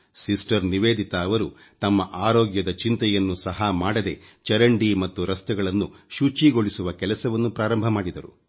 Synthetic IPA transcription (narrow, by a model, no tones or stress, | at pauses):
sisʈɐɾniʋeːd̪it̪ɐːʋɐɾu | t̪ɐmːɐʔaːɾɔːɡjɐd̪ɐt͡ʃint̪ɐjɐnːusɐɦɐmaːɽɐd̪e̞t͡ʃɐɾɐɳɖimɐt̪ːuɾɐst̪ɛɡɐɭɐnːuʃut͡ʃiɡo̞ɭisuʋɐkɛlɐsɐʋɐnːupɾaːɾɐmbʱɐmaːɽid̪ɐɾṵ